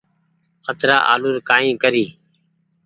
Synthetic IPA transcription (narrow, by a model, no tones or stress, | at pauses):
ət̪ɾa̰ːʔa̰ːluːɾkaːĩːkəɾiː